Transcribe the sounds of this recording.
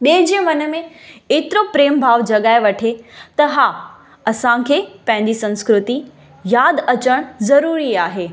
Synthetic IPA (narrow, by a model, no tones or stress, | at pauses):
ɗẽːd͡ʑĩːmɐnəmẽeːt̪ɪɾopɾeːmbʱaːʋd͡ʑɐɠaːeʋɐʈʰet̪ɐɦaː | ɐsãkʰeːpɐ̃ɦɪ̃ɲ̆d͡ʑisɐ̃nskɾʊt̪i | jaːd̪ɐt͡ɕəɽ̃zɐɾuːɾiaːɦeː